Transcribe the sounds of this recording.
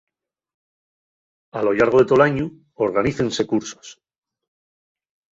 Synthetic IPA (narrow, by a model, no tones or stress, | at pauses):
alo̞ʎaɾɣ̞o̞ðe̞t̪o̞laɲu | oɾɣ̞aniθe̞nse̞kuɾso̞̥s